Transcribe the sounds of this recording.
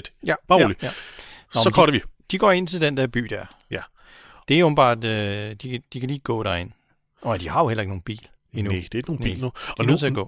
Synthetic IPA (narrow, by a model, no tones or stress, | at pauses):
jæ̥ɑlijæɒsɒkʰɒɐɾeʋid̥iɡ̥ɒ̰e̝n̰t͡sʰe̝ld̥end̥ɛɐb̥y̰ːd̥æɐ̰ | j | d̥e̝ob̥n̩b̥ɑ̰̈ːd̥ød̥id̥ikʰæliːɡ̥ɔ̰̽ːd̥æɐe̝n̰ | ɒɪd̥ihɑ̈jo̝helɐe̝ɡ̥no̝ːnb̥ḭːl | inud̥e̥noːn̥ɒinøðˠt͡se̝æɐɡ̥ɔ̰̽ː